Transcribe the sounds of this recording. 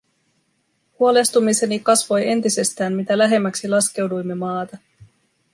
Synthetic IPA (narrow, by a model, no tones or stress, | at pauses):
huo̞le̞st̪umise̞nikɑsʋo̞je̞nt̪ise̞st̪æːmmit̪ælæɦe̞mːæksilɑsk̟e̞wdujmːe̞mɑːt̪ɑ